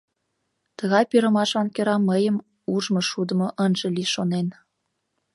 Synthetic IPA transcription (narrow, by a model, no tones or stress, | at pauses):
t̪əɣɑjpiɾə̆mɑʃɑnkeɾɑməjəm | uʒmoʃud̪ə̆moʔənʒĕliʃonen